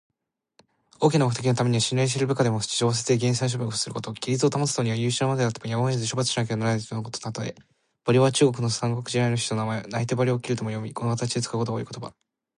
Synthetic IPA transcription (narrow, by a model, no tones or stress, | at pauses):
o̞ːkʲinaokɯ̟t̪ekʲino̞t̪ame̞ɲ̟iβaɕĩnais̬ɨɾɯ̟bɯ̟kad̪e̞mo̥t͡ɕi̥ʑo̞ːs̬et͡sɨd̪e̞ɡẽ̞ɰ̃s̬aĩɕ̬o̞bʲokɯ̥sɨɾɯ̟kot̪o̞kʲiɾʲit͡sɨo̞t̪amosɨ̥t̪oɲiβajɯ̟ːɕɨnmad̪ed̪at̪ːe̥ojamaezɨɕo̞bat͡sɨ̥ɕinak̬enaɾanonokot̪oat̪ːod̪ḛ | b̥aɾʲiβat͡ɕɨːɡo̞kɯ̟no̞sãŋɡokɯ̟ʑiɾainoɕi̥t̪o̞namaenait̪e̞baɾʲiokʲiɾɯ̟t̪o̞mo̞jo̞mʲikonkat̪at͡ɕid̪et͡sɨ̥kako̞t̪oɡaḭːkot̪oba̰